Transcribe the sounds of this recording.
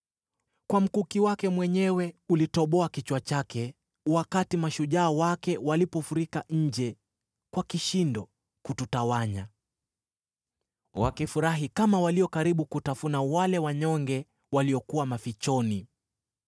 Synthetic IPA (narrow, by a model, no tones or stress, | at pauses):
kwam̩kukiwakɛmwɛɲɛwɛulitɔɓɔakit͡ʃwat͡ʃakɛ | wakatimaʃuʄaːwakɛwalipɔfuɾikaɲ̩d͡ʒɛ | kwakiʃindɔ | kututawaɲa | wa̰kifuɾaɦikamawaliɔkaɾiɓukutafunawalɛwaɲɔŋɡɛ | waliɔkuwamafit͡ʃɔni